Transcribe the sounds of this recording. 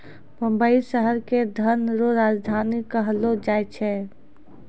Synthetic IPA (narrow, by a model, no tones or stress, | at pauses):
bə̃mbəiʃəɦəɾked̪ʱənɾoɾaːd͡ʒd̪ʱaːnikəɦlod͡ʒajt͡ʃʰɛ